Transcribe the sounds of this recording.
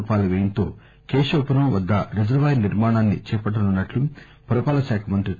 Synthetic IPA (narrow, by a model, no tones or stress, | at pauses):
paːlɐʋeːjɐnt̪oː | keːʃoːpɐɾɐmʋɐd̪ːɐɾed͡ʒɐɾʋaːjniɾmaːɳaːnːḭt͡ʃɛːpɐʈːɐnunːɐʈlu | pɐɾɐpaːlɐʃaːkʰɐmɐnt̪ɾi